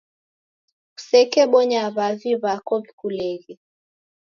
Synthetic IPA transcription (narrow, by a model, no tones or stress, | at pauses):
u̥sɛkɛɓɔɲaβaviβakɔβikulɛɣɛ